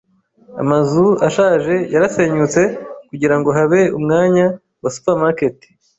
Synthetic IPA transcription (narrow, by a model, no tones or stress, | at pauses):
a̰mazuaʃaːʒe̞jaɾase̞ːɲut͡se̞kuɟiɾaŋɡo̞ɦaβe̞umŋaːɲa | wasu̥pamaketi̥